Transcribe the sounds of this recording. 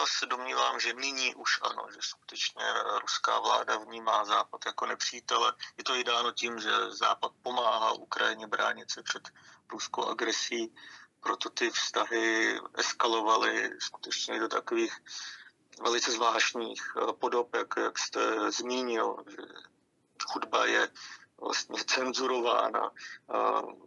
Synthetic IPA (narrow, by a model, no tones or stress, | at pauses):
jaːsɛdomɲiːvaːmʒɛnɪɲiːʔuʃʔa̰no̞̰ʒɛsku̥t̪ɛt͡ʃɲɛ̰ɾuska̰ːvla̰ːdavɲiːmaːzaːpat̪jako̞nɛpr̝̥iːt̪ɛlɛjɛt̪oɪdaːno̞ciːmʒɛ̰za̰ːpat̪̚po̞maːɦaːʔukɾajɪɲɛbɾa̰ːɲɪt̪sɛpr̝̥ɛt̪ɾuskowʔa̰ɡɾɛsiːpɾot̪o̞t̪ɪfst̪aɦɪʔɛskalo̞valɪ̰sku̥t̪ɛt͡ʃɲɛjɛdot̪akoviːx | vɛlɪt͡sɛzvlaːʃɲiːxpo̞do̞pjakjakst̪ɛzmiːɲɪlʒɛ̰ | xudba̰jɛvla̰st̪ɲɛt͡sɛnzuɾo̞va̰ːna̰